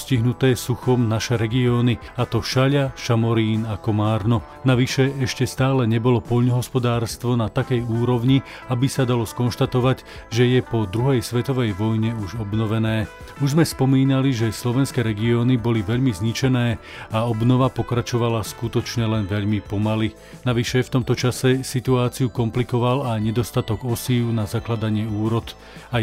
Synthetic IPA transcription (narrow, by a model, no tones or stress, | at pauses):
sciɦnut̪ɛːsuxɔmnaʃɛɾɛɡiɔːniat̪ɔʃaʎaʃamɔɾiːnakɔmaːɾnɔ | naʋiʃɛɛʃcɛst̪aːlɛɲɛbɔlɔpɔʎnɔɦɔspɔd̪aːɾst̪ʋɔnat̪akɛjuːɾɔʊɲi | abisad̪alɔskɔnʃt̪at̪ɔʋaɟ | ʒɛjɛpɔd̪ɾuɦɛjsʋɛt̪ɔʋɛjʋɔjɲɛuʒɔbnɔʋɛnɛː | uʒzmɛspɔmiːnaliʒɛslɔʋɛnskɛːɾɛɡiɔːnibɔliʋɛʎmizɲit͡ʃɛnɛː | aɔbnɔʋapɔkɾat͡ʃɔʋalaskut̪ɔt͡ʃɲɛlɛnʋɛʎmipɔmali | naʋiʃɛft̪ɔmt̪ɔt͡ʃasɛsit̪uaːt͡siukɔmplikɔʋalajɲɛd̪ɔst̪at̪ɔɡɔsiːʊnazaklad̪aɲɪɛuːɾɔd̪ | a